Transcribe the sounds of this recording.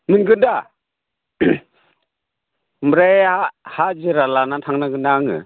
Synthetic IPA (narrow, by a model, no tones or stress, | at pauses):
mɯnɡɯda | mɾaahad͡ʒiɾalanatʰaŋnaɡɯndaŋɯ̰